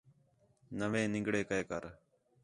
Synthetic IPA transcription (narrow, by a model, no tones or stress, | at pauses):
nəʋẽːnɪ̃ŋɡɽeːkəeːkəɾ